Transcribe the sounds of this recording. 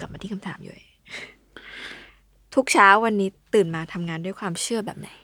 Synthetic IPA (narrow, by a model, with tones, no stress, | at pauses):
ka˨˩p̚aː˧t̪ʰiː˥˩kʰa˧mt̪ʰaː˩˦mjṵ˨˩e˨˩ | t̪ʰu˦˥k̚t͡ɕʰaː˦˥wːa˧nːiː˦˥t̪ɯː˨˩nmaː˧t̪ʰa˧mŋaː˧ndu˥˩əjkʰwaː˧mt͡ɕʰɯ˥˩ɐbɛ̰ː˨˩p̚na˨˩˦j